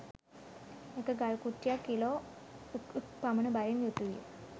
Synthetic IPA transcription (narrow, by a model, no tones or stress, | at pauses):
ekəɡaɭkuʈːjakːilo | paməɳəbaɾinjut̪ujḛ